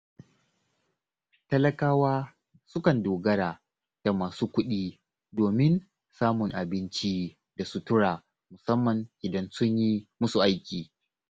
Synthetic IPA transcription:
tɐ˦lɐ˦kaː˦waː˦ | sʊ˦kɐ˨ndoː˨ɡɐ˦ɽaː˨ | d̥a˨maː˨suː˦kʷʊ˦ɗiː˦ | doː˨mɪ˦n | saː˦mʊ˨ŋʔa˨bɪ˦nt͡ʃi˦ | da˨su˦tʊ˦ɽaː˨ | mʊ˨sɐ˦mːɐ˨ŋʔɪ˨dɐ˦nsʊ˦ɲjiː˦mʊ˦su˨ʔa˦jkʲiː˨

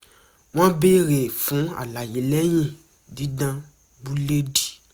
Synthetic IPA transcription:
w̃ã˦be˦ɾe˨fũ˨˦a̰˨la˨je˨˦lɛ˦j̃ĩ˦˨ | dĩ˨˦dã˧ | bu˦le˦di̥˨

